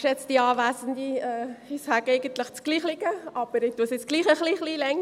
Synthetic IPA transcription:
ʃjɛt͡sd̥iɑːʋæːsənd̪iɛːɪsæːɡeɪɡənt̪lɪχt͡sɡ̥liːχlɪɡəɑb̥əɾɪtuəsɪt͡sɡ̥liːχəχliːχliːlɛŋ

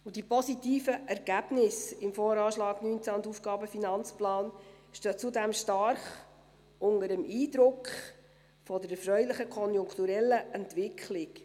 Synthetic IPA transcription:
ʊd̥ipɔsit̪iːfəʔɛɾɡ̥æb̥nɪsɪmfɔːɾɑːʃlɑːɡ̥nyːnt͡sæʊnd̪ufɡ̥ɑːbəfinɑnt͡splɑːn | ʃtøːt͡sudæmʃtɑɾχ | ʊndəɾəmiːd̪ɾʊkχ | fɔdəɾɛfɾœʏlɪχəkʰɔnjʊŋkχt̪uɾɛlːəʔɛntʋɪkʰlɪk

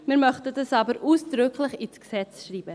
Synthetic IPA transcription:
miːɾmœχtədɑsɑːbəɾʔuːsd̥ɾʏkʰlɪχɪsksɛt͡sʃɾiːbə

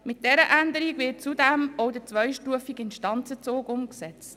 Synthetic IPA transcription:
mɪt̚d̥ɛɾəʔændəɾikvɪːt̚t͡sudɛmɔʊdət͡sʋœʏʃtuəfikɪnʃtɑnt͡sət͡soːkʊmksɛt͡st

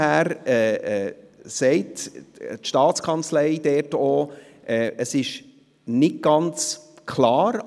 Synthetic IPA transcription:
æːɾɛːɛːsɛɪttʃtɑːtt͡skʰɑnt͡slɛɪd̥̪ɛːtoː | ʔɛːəsɪʃ | nɪɡ̚ɡ̥ɑnt͡s | kʰlɑːɾ

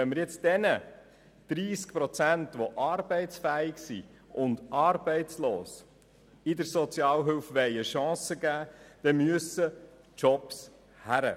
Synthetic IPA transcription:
ɛnməɾjɛt͡sd̥ɛnə | d̪̥ɾiːskpɾɔt͡sæntʋoʔɑːɾbɛɪt͡sfæɪɡsi | ʊnd̪ɑːɾbɛɪt͡sloːs | ɪd̪əɾsɔt͡sjɑːlɦʏlfʋɛɪəʃɑ̃ːsəɡæːd̥ɛmyəsə | t͡ʃɔps | hæɾə̰

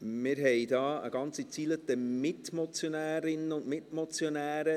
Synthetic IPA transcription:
mɪɾɦɛɪdɑːə̰ɡ̥ɑnt͡sit͡siːlət̪əmɪtmɔt͡sjonæːɾɪnəʊndmɪtmɔt͡sjonæːɾə

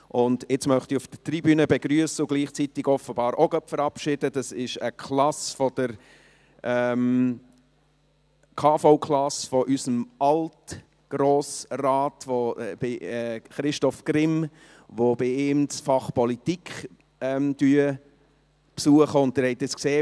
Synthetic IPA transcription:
ʔʊndɪt͡smœχt̪iufd̥ətribyːnəbeɡɾyəsəʊɡ̥liːχt͡sit̪ɪɡɔfəbɑːɾoɡœpfəɾɑpʃɪd̥əd̥ɑsɪʃəkʰlɑsfɔd̥əɾ | ʔɛm | kʰɑːfoʊkʰlɑsfɔʔysəmʔɑlt | ɡ̥ɾoːsraːtvob̥ɪɛχɾɪʃtɔfkrɪm | ʋob̥ɪɪːmsfɑχpɔlitikχ | ɛmd̥yːə | psuəχəʊndɛɾhɛt̪ːɪskseː

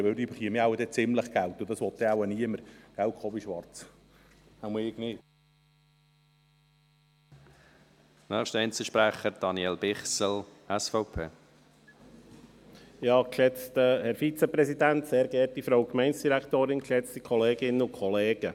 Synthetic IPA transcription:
ʋɪld̪yːbəχiəmiawəd̪ɛt͡sɪmləχɡ̥ælt̪ʊd̥̪ɑsʋɔt̪̚dɛawəniəməɾɡ̥æltχɔːbiʃʋɑɾt͡s | haməɪɡni | nœːχʃtəɛɪnt͡səʃpɾæχəɾd̥ɑnjɛlb̥ɪχsəlɛsfɔʊpʰeː | jɑːkʃɛt͡stəhɛɾfit͡sɛpɾɛsidænt̪seːɾɡ̥ɛːɾtifɾoʊkmɛɪnsd̥iɾækt̪oːɾɪnkʃɛt͡stikʰɔleːɡɪnəʊkʰɔleːɡ̥ə

